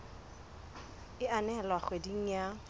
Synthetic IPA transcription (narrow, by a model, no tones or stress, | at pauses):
ɪanɛlwaχwediŋ̩ja